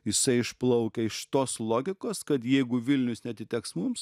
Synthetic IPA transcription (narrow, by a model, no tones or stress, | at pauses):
jɪsɐɪɪʃplˠɐʊkʲɛɪʃt̪oːslˠoːɡʲɪkoːskɐt̪jɛɪɡʊʋʲɪlʲnʲʊsnʲɛɐt̪ʲɪt̪ʲɛksmums